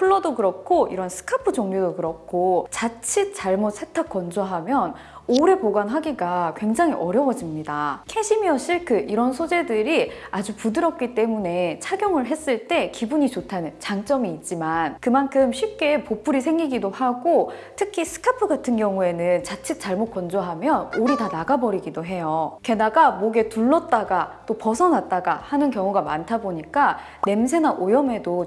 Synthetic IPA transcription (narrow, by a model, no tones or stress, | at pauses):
pʰɯɭːʌdokɯɾʌk̚kʰoiɾʌnsʰɯ̥kʰapʰɯd͡ʑʌŋɲodokɯɾʌk̚kʰot͡ɕat͡ɕʰit̚t͡ɕ͈aɭmot̚sʰetʰak͈̚ʌnd͡ʑoɦamjʌn | oɾe̞poɡanɦaɡiɡakwe̞ŋd͡ʑaŋiʔʌɾjʌwʌd͡ʑimɲidakʰe̞ɕʰimiʌɕ͈ʰiɭkʰɯiɾʌnsʰod͡ʑe̞dɯɾiad͡ʑupudɯɾʌk̚k͈it͈e̞mune̞t͡ɕʰaɡjoŋɯɭɦe̞s͈ɯɭt͈e̞kibuɲit͡ɕotʰanɯnt͡ɕaŋt͡ɕ͈ʌmiːt̚t͡ɕ͈imankɯmankʰɯmɕʰɥip̚k͈e̞popʰuɾis̬ʰe̞ŋɡiɡidohaɡotʰɯkʰisʰɯ̥kʰapʰɯɡatʰɯnɡjʌŋue̞nɯnt͡ɕat͡ɕʰik̚t͡ɕ͈aɭmot̚k͈ʌnd͡ʑoɦamjʌnoɾitanaɡabʌɾiɡidoɦe̞joke̞naɡamoɡe̞tuɭːʌt̚t͈aɡat͈opʌsʰʌnat̚t͈aɡahanɯnkjʌŋuɡamantʰaboɲik͈a | ne̞ms̬ʰe̞naʔojʌmedo